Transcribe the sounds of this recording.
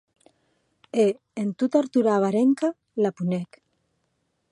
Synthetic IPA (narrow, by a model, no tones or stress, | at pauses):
e | ent̪ut̪aɾt̪uɾaβaɾeŋka | lapunek